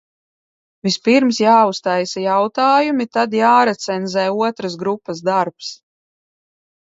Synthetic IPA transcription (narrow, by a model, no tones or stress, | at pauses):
vispiɾmsjaːust̪ajsajawt̪aːjumit̪ad̪jaːɾɛt̪sɛnzɛːuɔt̪ɾas̬ɡɾupːasd̪aɾps